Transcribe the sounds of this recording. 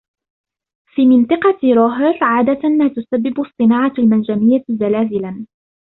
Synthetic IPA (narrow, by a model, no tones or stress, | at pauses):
fiːmɪnt̪ˤɑqɑɾˤoɦɪɾˤʕaːd̪amaːt̪ʊsabːɪbsˤt̪ˤɨnaːʕɑlmand͡ʒamɪjːazalaːzɪlan